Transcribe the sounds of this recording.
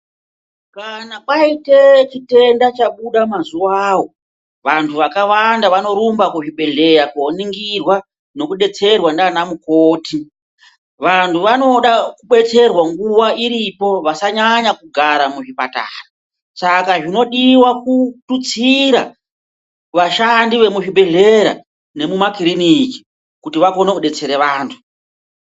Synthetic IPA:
kanaɓaite̞t͡ʃite̞ndat͡ʃaɓuɗamazuawo̞ | ʋantʰuʋakawandaʋano̞ɾumbakuʐiɓe̞ɮe̞jakoniŋɡirwa | no̞kuɗe̞t͡se̞rwandanamukoːti | ʋantuʋano̞ɗakuɓe̞t͡se̞rwaŋɡuwaiɾipo̞ʋasaɲaɲakuɡʱaɾamuʐipata̰ːra | sakaʐino̞ɗiwakutut͡siɾa | ʋaʃandiʋe̞muʐiɓʱe̞ɮe̞ɾa̰ | ne̞mumakiriniki̥ | kutiʋako̞neuɗe̞t͡se̞ɾe̞ʋaːntʰu̥

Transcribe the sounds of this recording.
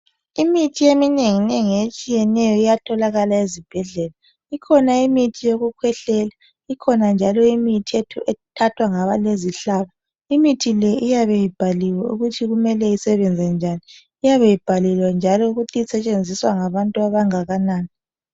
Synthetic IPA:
imitʰiemineŋineŋijet͡ʃʼijɛnɛjɔijatʰɔlaɣalaezib̥ʱɛɮɛla | ikʰɔnaimitʰijoɣukʰwɛɬɛla | ikʰɔnand͡ʒʱalɔimitʰietʰṵʔɛtʰatʰwaŋaβaleziɬaβa | imitʰilɛʔijaβejib̥ʱaliwaṵɣutʰiɣumɛlɛisɛβɛnd͡zʱɛnd͡ʒʱaniː | jaβejib̥ʱalɛlwand͡ʒʱalɔuɣutʰiisɛt͡ʃʼend͡zʱiswaŋaβantʼuaβaŋaɣanaːni

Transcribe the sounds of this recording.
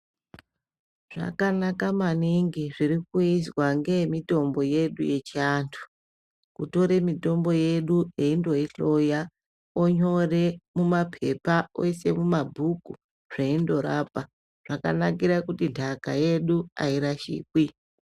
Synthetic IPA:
ʐ̥a̰kanakamaniŋɡiʐirikuiswaŋɡe̞mito̞mbo̞je̞ɗṵje̞t͡ʃiantʰu̥ | kuto̞ɾe̞mito̞mbo̞je̞ɗueindo̞iɬo̞ja | oɲo̞re̞mumapʰe̞pao̰se̞mumabʱuku | ʐ̥eindo̞ɾapa | ʐ̥aka̰nak̬iɾakutindʰʱakaje̞ɗua̰iɾaʃḭːk̚wi

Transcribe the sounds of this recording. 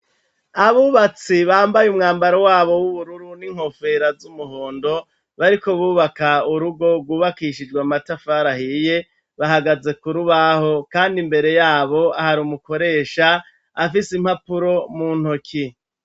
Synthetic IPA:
aβuːβat͡siβaːmbajumŋaːmbaɾowaːβo̞wuβuɾuɾuniŋ̥ho̞fe̞ɾazumuɦoːndo̞ | βaɾiko̞βuːβakauɾuɡo̞ɡwuːβakiʃid͡ʒɡwamatafaɾahiːje̞ | βahaɡaze̞kuɾuβaho̞kaːndimbe̞ɾe̞jaːβo̞ahaɾumuko̞ɾe̞ːʃaː | fisim̥hapuɾo̞muːn̥okʰi

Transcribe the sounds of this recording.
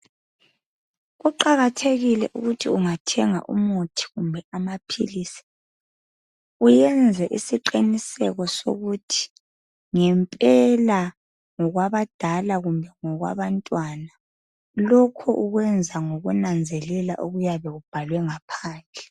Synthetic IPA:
ɣuǃaɣatʰeɣilɛ̰ʔuɣutʰiuŋatʰɛŋa̰ʔṵmutʰi̥ɣumbʱɛamapʰḭlisi̥ | ujɛnd͡zʱɛʔisiǃinisɛɣɔso̰ɣutʰi̥ | ŋɛmpʼɛla | ŋɔɣwaβad̥ʱalaɣumbʱɛŋɔɣwa̰βantʼwana | lɔkʰɔʔuɣwɛnd͡zʱaŋoɣunand͡zʱɛlɛla̰ʔoɣujaβɛɣub̥ʱalwɛŋapʰaːnd͡ɮʱɛ

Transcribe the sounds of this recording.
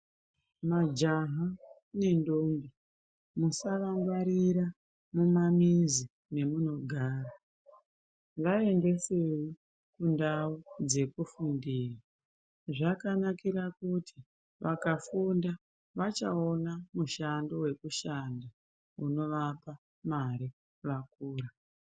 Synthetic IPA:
mad͡ʒaɦa | ne̞ndombi | musaʋaŋɡwaɾiɾa | mumamizi | ne̞muno̞ɡʱaːra | ʋae̞nde̞sewi | kundaud͡ze̞kufundiːra | ʐakanakiɾakutʰi | ʋakafunda | ʋat͡ʃa̰onamuʃandowe̞kuʃanda | uno̞ʋapa | maɾi | ʋak̚uːɾa

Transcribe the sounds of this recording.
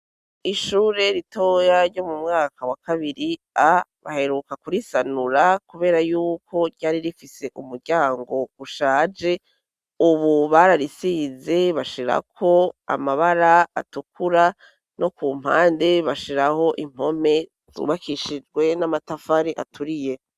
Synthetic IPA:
iʃuːɾe̞ɾitojaɾɟo̞mumŋaːkʰawakaβiɾi | aβa̰he̞ɾukakuɾisanuɾakuβe̞ːɾajuːkʰo̞ɾɟaːɾiɾifise̞ʔumuɾɟaːŋɡo̞uʃaːd͡ʒe̞ | uβuβaɾaɾisiːze̞βaʃiɾa̰kʰo̞a̰maβaɾaa̰tukʰuɾa | no̞kuːm̥ha̰ːnde̞βaʃiɾaho̞ʔim̥ho̞me̞ | zṵβakʰiʃid͡ʒɡwe̞namatafaɾiʔa̰tʰuɾije̞

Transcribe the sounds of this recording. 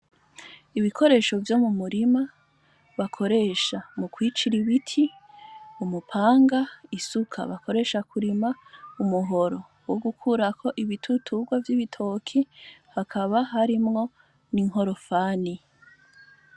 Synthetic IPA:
iβikʰo̞ɾe̞ːʃo̞vjo̞ːmumuɾima | βakʰo̞ɾe̞ːʃamukwiːt͡ʃiɾiβitʰi | umupʰaːŋɡaisukʰa̰βako̞ɾe̞ʃakʰuɾimaumuɦo̞ɾo̞ | woɡukʰuɾakʰo̞ʔiβitʰutʰuɡwavjiβitʰo̞kʰihakʰaβaɦaɾimŋo̞ | niŋɦo̞ɾo̞faːni

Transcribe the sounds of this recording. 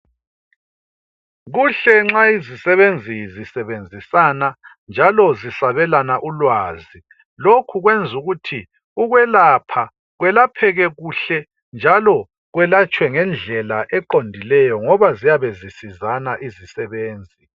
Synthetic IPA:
ɣuɬɛŋ͡ǁaizisɛβend͡zʱizisɛβend͡zʱisana | nd͡ʒʱalɔzisaβɛlanaʔulwaːzi | lokʰuɣwɛnd͡zʱuɣutʰi | uɣwɛlapʰa | ɣwɛlapʰɛɣɛɣuɬɛ | nd͡ʒʱalɔ | ɣwɛlat͡ʃʼwɛŋɛnd͡ɮʱɛlaʔɛǃondʱilɛjɔŋɔβazijaβɛzisizanaʔizisɛβeːnd͡zʱi

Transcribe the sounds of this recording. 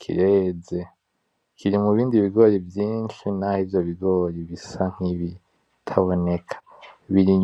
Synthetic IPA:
kʰḭɾeːze̞ | kʰiɾimuβiːndiβiɡo̞ːɾivjiːnʃinahivjo̞βiɡo̞ːɾiβisaŋ̥iβi | tʰaβo̞ne̞kʰḁ | βiɾi

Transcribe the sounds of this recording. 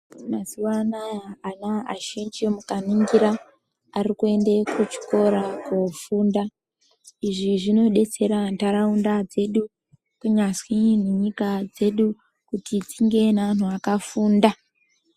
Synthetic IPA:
mazuwanaanaaʃend͡ʒiomukaniŋɡiɾaː | rikue̞nde̞kut͡ʃi̥ko̞ɾakofuːnda | iʐiʐino̞ɗe̞t͡se̞ɾantaɾaundad͡ze̞ɗu | kuɲaswineɲikad͡ze̞ɗu | kutitiŋɡe̞naʋan̤uakafuːnda

